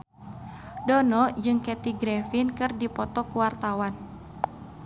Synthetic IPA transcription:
dɔnɔd͡ʒɨŋkɛt̪iɡɾɛfinkɨrdipɔt̪ɔkuwart̪awan

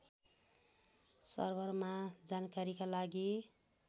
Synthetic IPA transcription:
sʌ̰rbʌrmad͡zankaɾikalaɡi

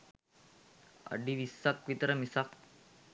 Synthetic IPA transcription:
ɐ̰ɖiʋisːɐk̚pit̪ɾɐmisak

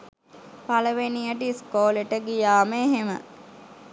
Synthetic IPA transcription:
paləʋenijəʈiiskoːleʈəɡijaːməeɦemə̰

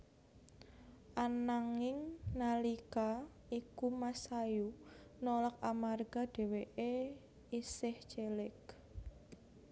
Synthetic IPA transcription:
ʔanaŋɪŋnalika | ikumasajunolɔk̚amarɡ̥a̤d̥e̤weʔe | isɪht͡ʃelɪk

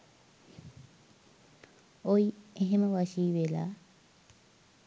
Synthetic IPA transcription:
ojeɦeməʋaʃiːʋela̰

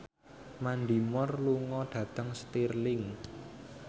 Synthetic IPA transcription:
mand̪i̤mɔrluŋɔɖ̪̥ä̤t̪əŋst̪irlɪŋ

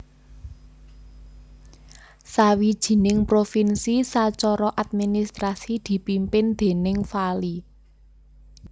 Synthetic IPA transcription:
sawid̥ʒ̥i̤nɪŋpɾofinsisat͡ʃɔɾɔʔat̪̚minist̪ɾasid̪̥i̤pimpɪnd̪̥e̤nɪŋfali

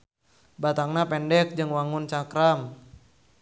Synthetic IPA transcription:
bat̪aŋnapɛndɛk̚d͡ʒɨŋwaŋʊnt͡ʃakɾam

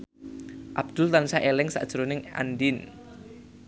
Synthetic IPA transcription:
ʔab̥̚d̪̥ʊlt̪ansaʔelɛŋsa̰ʔd̥ʒ̥ɾonɪŋʔa̰ndin

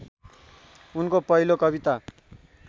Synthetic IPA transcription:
unkopʌilokʌβit̪a

